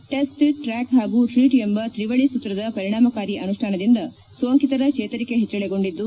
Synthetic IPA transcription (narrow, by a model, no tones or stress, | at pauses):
ʈesʈʈɾaːkɦaːɡuʈʰɾiːʈembɐt̪ɾiʋɐɭisut̪ːɾɐd̪ɐpɐɾiɳaːmɐkaːɾiʔɐnuʂʈʰaːnɐd̪ind̪ɐ | sʋɐŋkit̪ɐɾɐkʂeːt̪ɐɾike̞ɦet͡ʃːɐɭeɡo̞ɳɖid̪ːu